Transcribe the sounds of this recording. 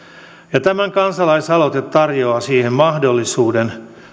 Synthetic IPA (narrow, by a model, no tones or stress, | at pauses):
jɑt̪æmæŋkɑnsɑlɑisɑlot̪et̪tːɑrjo̞ɑsiːhemmɑhdo̞lːisuːden